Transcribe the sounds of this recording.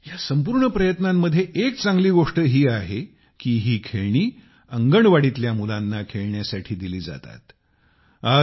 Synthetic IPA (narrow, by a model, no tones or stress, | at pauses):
jasəmpuɾɳəpɾəjət̪namːəd̪ʱːjeʔek̚t͡saŋɡliːɡoʂʈəɦiːaɦe | kiːɦiːkʰeɭɳiː | əŋɡəɳʋaɽiːt̪ljamulanːakʰeɭɳjasaʈʰiːd̪iliːd͡za̰t̪a̰t̪ | a